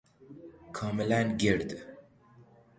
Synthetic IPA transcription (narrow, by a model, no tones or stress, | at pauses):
kʰɑːmilænɡiɾd̪